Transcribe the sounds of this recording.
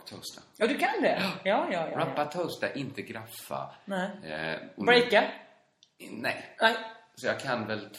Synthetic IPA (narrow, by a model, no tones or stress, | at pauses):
t̪ʰɔst̪ajɑːd̪ɵkʰand̪ɛjɑːjɑːjɾamppːat̪ʰoːst̪aʔɪnt̪əɡɾafːa̰nɛ | bɾɛjka | nɛ̰jnɛsɔjɑːkʰanvɛlt̪ʰ